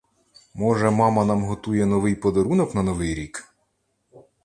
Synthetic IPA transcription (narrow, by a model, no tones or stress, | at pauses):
mɔʒɛmɑmɐnɑmɦɔt̪ujɛnɔʋɪjpɔd̪ɐɾunɔknɐnɔʋɪjɾʲik